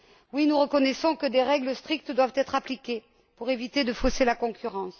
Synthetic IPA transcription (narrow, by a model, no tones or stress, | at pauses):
winuʁəkɔnesɔ̃kəd̪eʁɛɡləst̪χik̚t̪d̪wavt̪ɛt̪χaplikʲe | puʁevit̪ed̪əfoselakɔ̃kʰʲyʁɑ̃s